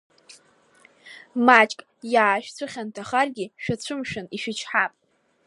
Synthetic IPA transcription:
mat͡ʃʼkʼ | jaːʃᶣt͡sʷʰʊχʲantʰaχarɡʲiʃᶣat͡ɕʷʰʊmʃᶣʊniʃɪt͡ʃʰħapʼ

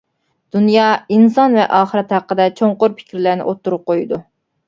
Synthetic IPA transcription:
d̪̥unjɑinsɑnvɛ̰ʔɑːχəɾɛt̪hæqːəd̪ɛt͡ʃʰoɴqʊɾpʰɪ̥kʲʰɾlæɾnɪ̰ʔot̪ʰːuɾup̚qojud̪u

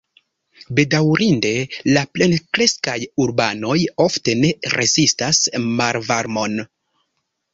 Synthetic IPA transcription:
be̞dawɾinde̞laple̞nkɾeskajuɾbano̞jo̞fte̞ne̞ɾʔe̞zistasmaɾvaɾmo̞n

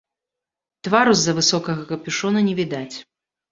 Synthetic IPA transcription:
t̪vaɾuzɐvɨsɔkɐɣɐkɐpʲiʂɔnɐnʲɛvʲid̪at͡sʲ

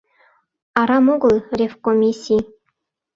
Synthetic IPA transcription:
ɑɾɑmoɡɤ̆lˠrʲefkomʲisʲij

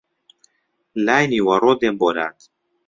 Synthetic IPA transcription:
laːjniwɐrod̪emboɾa̰ːt̪

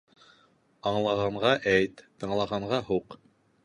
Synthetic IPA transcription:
ɑɴlˠɑʁɑɴʁɑʔæjt̪ːɤ̆ɴlˠɑʁɑɴʁɑɦuq

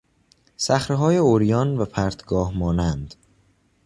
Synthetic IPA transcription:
sæxɾeɦɒːjeoɾijɒːnvæpʰæɾt̪ʰɡɒːhmɒːnænd̪̥

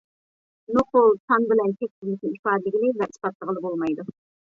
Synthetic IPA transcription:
noqolˠt̪ʰɑŋbɪlɛnt̪ʲʰɛk̚ʲt̪ʲɪzlɪkʲnɪipɑːd̪lɪɡʲilɪvɛispɑt̪lˠəʁəlˠɨbolˠmɑjd̪u

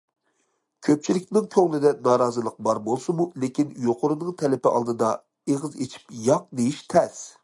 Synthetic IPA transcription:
kʲʰøp̚t͡ʃʰilɪkʲnɪŋkʲʰøŋlɪd̪ɛnɑːɾɑːzɨlˠəq̚bɑɾbolˠsɨmulekʲinjoqʊɾɨnɨɴŋt̪ʰɛlɪpɪʔɑ̰lˠd̪ɨd̪ɑ̰ | eʁɨzet͡ʃʰi̥pjɑq̚d̪ejiʃt̪ʰɛs

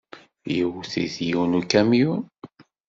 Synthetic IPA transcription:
jəwθḭðjiwnukːæmjun

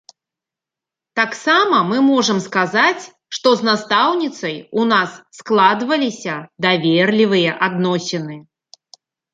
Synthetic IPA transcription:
t̪aksamɐmɨmɔʐɐmskazat͡sʲ | ʂt̪ɔznast̪awnʲit̪sɐjunasːklˠad̪vɐlʲisʲɐd̪avʲerlʲivɨjɐʔad̪nɔsʲɛnɨ

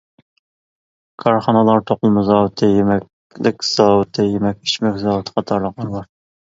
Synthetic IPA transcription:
kʰɑɾχɑnɨlˠɑɾt̪ʰoqʊlˠmɨzɑwt̪ʰɪjemɛkʲ | lɪkʲz̥ɑwt̪ʰɪjemɛk̚ʲi̥ʃmɛkʲzɑːwɨt̪ʰə̥qʰɑt̪ʰɑɾlˠəqɑɾlˠɑɾ

